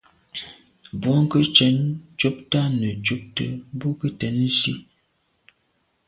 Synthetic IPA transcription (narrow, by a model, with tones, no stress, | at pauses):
bɔ˦ŋ˦kə˦t͡ʃɛ˨˦nt͡ʃo˦p̚ta˦nə˨t͡ʃu˦p̚tə̰˦bo˦kə˦tɛ˨˦n̩˦si˦